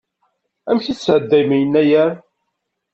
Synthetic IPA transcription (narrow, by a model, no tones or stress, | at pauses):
æmçisʕəd̪ːæjmijənːæjæɾ